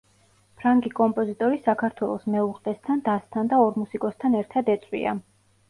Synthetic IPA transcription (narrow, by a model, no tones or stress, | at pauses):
pʰɾaŋɡikʼɔmpʼɔzit̪ʼɔɾisakʰaɾt̪ʰwɛlˠɔsmɛuqʼɛst̪ʰand̪ast̪ʰand̪aɔɾmusikʼɔst̪ʰanɛɾt̪ʰad̪ɛt̪sʼwḭa̰